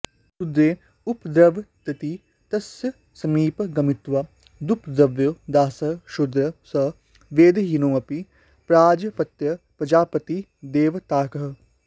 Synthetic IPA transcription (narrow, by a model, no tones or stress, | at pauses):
sud̪ɾeː | upd̪ɾɐʋt̪ɐt̪i | t̪ɐsjə | sɐmiːpɡɐmɪt̪ʋɐ | d̪upd̪ɐʋjod̪aːsɐʃʊd̪ɾɐsɐ | ʋeːd̪ɦinoːɐpi | pɾaːd͡ʒpɐt̪jɐpɐd͡ʒaːpɐt̪i | d̪eːʋt̪aːkɐɦ